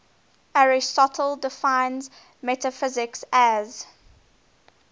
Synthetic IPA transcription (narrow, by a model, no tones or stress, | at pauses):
ʔaɹɪstɔtʰəl̩dɪfãɪ̃nz | mɛtəfɪzɪksæz̥